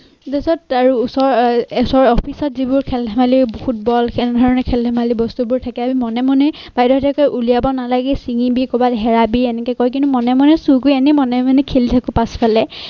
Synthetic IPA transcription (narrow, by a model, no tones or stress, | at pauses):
zɛsɔtaɹuːsɔɹsɔɹɔpʰisɔt̚zibʊɹkʰɛldɛmalibohut̚bɔlkʰɛnɛdʱɔɹɔnɛkʰɛlɛmalibɔstubʊɹtʰakɛabimɔnɛmɔnɛ | b̥ajdɔtʰɛkɔjʔulijabɔnalaɡɛsiŋibikɔbatɦɛɹabiɛnɛkɔkɔɹjk̬ĩntumɔnɛmɔnɛsukujɛnɛmɔnɛmanɛkʰelitʰakʊ̃paspʰalɛ